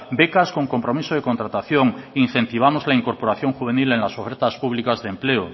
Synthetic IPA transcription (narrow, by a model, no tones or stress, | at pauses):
be̞kasko̞ŋko̞mpɾo̞misoð̞e̞ko̞nt̪ɾat̪aθjoŋin̟θẽ̞nt̪iβ̞amozlaiŋko̞ɾpo̞ɾaθjo̞ŋxuβ̞e̞nile̞nlasofeɾt̪aspuβlikazðemple̞o